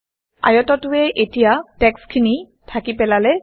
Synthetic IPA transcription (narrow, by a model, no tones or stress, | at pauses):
a̰jɔtɔtʊɛʔetijatɛkskʰini | tʰakipɛlalɛ